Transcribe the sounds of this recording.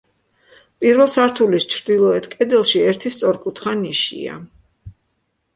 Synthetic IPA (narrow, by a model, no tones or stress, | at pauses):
pʼiɾvɛlˠsaɾt̪ʰulist͡ʃʰɾd̪ilˠɔɛt̪kʼɛd̪ɛlˠʃiɛɾt̪ʰist̪sʼɔɾkʼut̪ʰχaniʃḭa̰